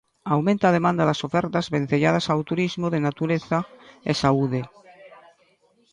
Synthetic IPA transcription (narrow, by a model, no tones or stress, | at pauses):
awmẽnt̪aːð̞e̞mãnd̪aðasofeɾt̪azβẽ̞n̟θeʎað̞asawt̪uɾizmoðenat̪uɾeθaḛsauðe